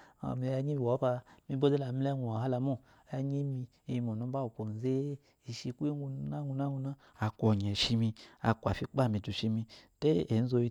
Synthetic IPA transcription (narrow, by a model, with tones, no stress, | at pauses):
a̰˨mi˧˦a˧ɲi˦bi˨wo˨˦ba˧mi˦bo˦de˦la˨mi˦le˦ŋʷu˨a˨ha˦la˧mu˦˨ | ja˦ɲi˦mi˧ | i˧mo˨nu˨˦ba˦u˨ko˨n˨ze˦ | i˨ʃi˧ku˦i˦ŋ˦ɡu˧˦na˦ɡu˧na˦ɡu˧na˦ | a˨kʷo˨ɲe˨ʃi˧mi˧a̰˨kʷa˨fi˦k͡pa˦˨mi˨du˨ʃi˧mi˧te˦e˨n̩˦zo˧ji˧